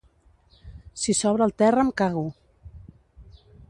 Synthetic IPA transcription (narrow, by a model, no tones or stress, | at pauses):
sisɔβɾəlˠt̪ɛrəːmkaɣu